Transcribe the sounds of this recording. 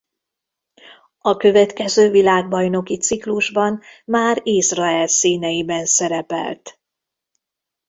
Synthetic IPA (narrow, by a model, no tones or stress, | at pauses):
ɒkø̞vɛt̪kɛzøːvilaːɡ̚bɒjno̞kit̪sikluʒbɒnmaːɾizrɒɛlsiːnɛjibɛnsɛɾɛpɛ̰lt̪